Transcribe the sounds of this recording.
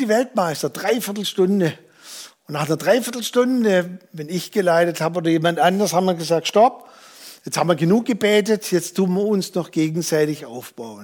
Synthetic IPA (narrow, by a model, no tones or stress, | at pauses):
d̥iːvɛltmaɪstɐd̥ʁaɪfɪɐtl̩ʃtʊndə | ʊnnaːχnɐdʁaɪfɪɐtl̩ʃtʊndəvɛnɪçɡ̥əlaɪtəthaːboːdɐjeːmantʔandɐshaːbmiːɐɡəzaːk̚tʃtɔp̚ | jɛt͡sthaːbm̩iɐɡənuːk̚ɡ̥əbɛːtətʰjɛt͡stʰuːnmiɐʊnsnɔχɡ̥eːɡŋ̩zaɪtɪçʔaʊfb̥aʊən